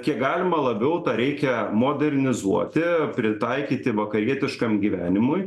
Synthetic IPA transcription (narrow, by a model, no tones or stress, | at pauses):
kʲiɛkɡɑːlʲɪmɐlˠɐbʲɛʊt̪ɑɾʲɛɪkʲɛmoːd̪ʲɛɾʲnʲɪzuɔt̪ʲɪpʲɾʲɪt̪ɐɪkʲiːt̪ʲɪʋɐkɐɾʲiɛt̪ʲɪʃkɐmɡʲiːʋʲæːnʲɪmʊɪj